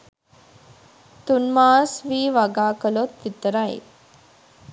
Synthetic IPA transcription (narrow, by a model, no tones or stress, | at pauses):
t̪unmaːsʋiːʋaɡaːkəlot̪ʋit̪əɾaḭ